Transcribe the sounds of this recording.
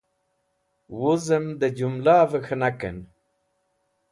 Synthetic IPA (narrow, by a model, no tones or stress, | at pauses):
wuzəmd̪əd͡ʑumlaːvəxənakə̰n